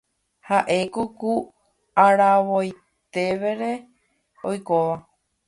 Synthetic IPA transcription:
haʔe̞koku | aɾaʋoj | t̪e̞ʋe̞ɾe̞ | ojkoʋa

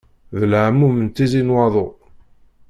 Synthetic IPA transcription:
ðəlʕamːumənt̪izinwɑðˤo

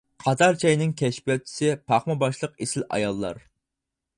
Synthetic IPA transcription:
qʰɑt̪ʰɑɾt͡ʃʰɑjnɪŋkʲʰɛʃpʲijɑt͡ʃʰːi̥sɪpʰɑχmɑbɑʃlˠəqesɪlɑ̰jɑlˠːɑ̰ɾ

